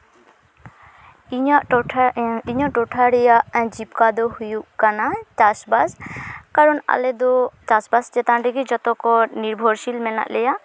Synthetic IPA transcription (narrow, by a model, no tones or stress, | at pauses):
iɲaʔʰ | iɲɔʔʈɔʈʰaɾɛjaɛ̃d͡ʒip̚kad̪ɔhujuʔkanat͡ʃasbaskaɾɔna̰lɛd̪ɔt͡ʃasbasd͡ʒɛt̪anɖɛɡid͡ʒɔt̪ɔkɔniɾbʱɔɾsilmɛna̰ʔlɛja